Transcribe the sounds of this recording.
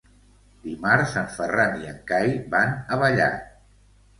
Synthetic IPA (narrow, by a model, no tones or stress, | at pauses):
d̪̥imaɾsaɱfəraniəŋkajbanəβəʎa̰